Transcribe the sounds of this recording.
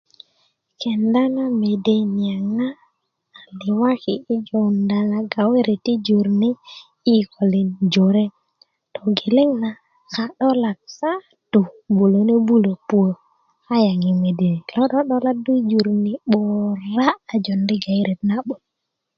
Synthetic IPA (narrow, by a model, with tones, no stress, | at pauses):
kɛ˨nda˦ŋa˦me˨de˦ni˨a˨ŋaː˦˨ | lɪ˨wa˦ki˨i˦d͡ʒɔ˨nda˨ŋa˨ɡa˨we˦ɾʔe˨ti˦d͡ʒu˨ɾni˦ | i˦kɔ˨li˨nd͡ʒo˨ɾe˦ | tɔ˨ɡe˨le˦ŋna˨ | ka˨ɗɔ˦la˨t̚sa˦ | tu˨bu˨lo˨ne˦bu˦lo˨pu˦o˨ | a˦ja˨ŋi˨me˨de˨lɔ˦ɗɔ˦ɗɔ˦la˦du˦d͡ʒu˨ɾni˦ɓɔ˨ɾaː˦˨d͡ʒɔ˨ndi˦ɡa˨i˦ɾʔe˨t̚na˦ɓo˨